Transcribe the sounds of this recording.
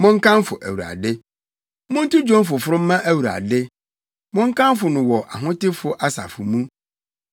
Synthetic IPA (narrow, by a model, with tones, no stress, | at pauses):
mʊ̃˦ŋ˦kʰã˦mfʊ˨ʔæ̰˨wu˨a̰˨dɪ˦ | mʊ̃˦n̩˦tu˦d͡ʑᶣõ˦m˦fʊ˨fʊ˦ɾʊ̃˦m̩ː˦ã˦ʔæ˦wu˨a̰˨dɪ˦ | mʊ̃˦ŋ̩˦kã˦mfʊ˨nʊ̃˨wɔ˨ʔa̰˨ɦʊ̃˦tɪ˦fʊ˦ʔa˦sa̰˨fʊ˨mũ˦